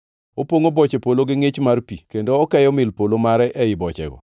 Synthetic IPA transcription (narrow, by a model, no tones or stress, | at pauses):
opwoŋobɔt͡ʃepoloɡɪŋɪt͡ʃmarpikendoɔkɛjɔmɪlpolomaɾɛʔɛɪbɔt͡ʃɛ̰ɡɔ̰